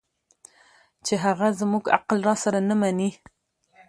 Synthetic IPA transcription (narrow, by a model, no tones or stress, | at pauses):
t͡ʃeɦaɣazmuɡa̰qlɾɑsaɾanamani